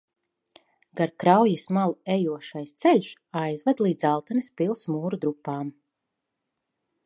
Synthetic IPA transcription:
ɡaɾkɾawjismalˠɛjuɔʃajst̪sɛʎʲʃ | ajzvad̪lˠiːd̪zalˠt̪anispilˠsmuːɾud̪ɾupːaːm

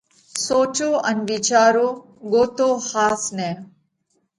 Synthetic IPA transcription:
soːt͡ʃoːənʋit͡ʃaːɾoː | ɡoːt̪oːhaːsnɛː

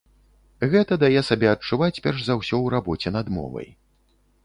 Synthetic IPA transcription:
ɣɛt̪ɐd̪ajɛsabʲɛɐt͡ʂːuvat͡sʲpʲɛrʐzawsʲɔwɾabɔt͡sʲɛnɐd̪mɔ̰vɐ̰j

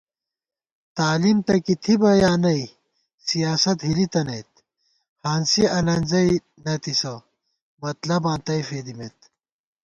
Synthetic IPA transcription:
t̪aːlimt̪ɐkit̪ʰibɐjaːnɐi | sijaːsɐt̪ɦilit̪ɐnɐjt̪ | haːnsiɐnɐnzɐj | nɐt̪isɐ | mɐt̪lɐbãːnt̪ɐjfeːd̪imet̪

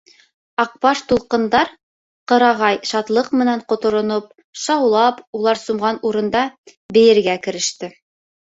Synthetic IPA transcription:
ɑq̚pɑʃt̪ulˠqɤ̆nd̪ɑɾ | qɤ̆ɾɑʁɑjʃɑt̪lˠɤqmɘ̆næɴqŏt̪ŏɾŏnop̚ | ʃɑwlˠɑpulˠɑɾsumʁɑnuɾɤ̆nd̪ɑ | bɘ̆jɘ̆ɾɡækɘ̆ɾɘ̆ʃt̪ɘ

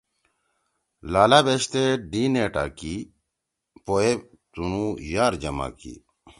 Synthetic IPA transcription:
laːlabeɕt̪eɖineːʈa̰ːki | poe | t̪unujaːɾd͡ʑɐma̰kḭ

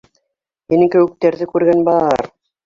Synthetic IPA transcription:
minɘŋkɘ̆wɘ̆k̚t̪æɾðɘkʉɾɡænbɑɾ

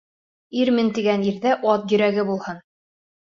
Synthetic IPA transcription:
iɾmɘnt̪iɡæniɾðæʔɑt̪jɵ̆ɾæɡɘbulˠhɤn

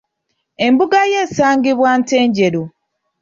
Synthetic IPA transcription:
e̞mbuɡaje̞ːsaːŋɡiβwante̞ːɲɟe̞ɾo

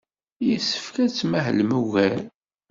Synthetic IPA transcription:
jəsə̥fkæt͡sːmæɦəlmuɣæl

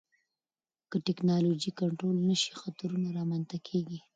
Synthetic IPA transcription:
kəʈɪknɑlod͡ʒikaɳʈɾolnəʃi̥xat̪ɾunaɾɑmant̪akʰeɡi

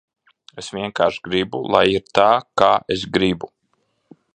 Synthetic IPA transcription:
esʋʲiɛŋkaːɾʃɡɾibulˠa̰jiɾt̪aːkaːesɡɾibu

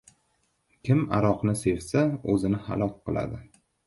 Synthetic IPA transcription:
kʲɪma̰ɾɒqnɪse̞vsaɵzɪnɪha̰lˠɒk̚ʲqɨlˠa̰d̪ɪ

